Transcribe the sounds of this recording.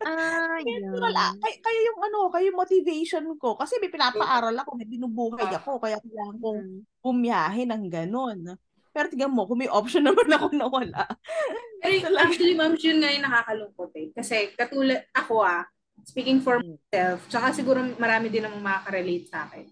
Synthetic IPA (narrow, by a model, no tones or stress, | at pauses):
a | ɐɾɐla̰kɐjkɐjajʊŋʔɐnookɐjʊŋmot̪ɪvɛjʃonko̞kɐsɛmɐjpɪnaːpɐʔaːɾɐlɐkomɐjbɪnubuːɦɐjɐko̞kɐjakɐjlaːlɐŋkoŋɡʊmjaːɦɛnɐŋɡɐno̞n | pɛɾot̪ɪɡɐmoʔkomɐjʔop̚ʃonːɐmanɐko̞nɐwɐla̰ʔ | ɐsɐlaʊlimamjʊnŋajʊnɐkaːkɐlʊŋkot̪̚ɛkɐsɛkɐt̪uːlɐd̪̚ʔɐko̞a | spiːkɪŋfɔɹsɛlft͡ʃɐkasɪɡuːɾomɐɾaːmɪd̪ɪnɐmmɐakɐɾɛlejt̪̚sa̰ːkɛn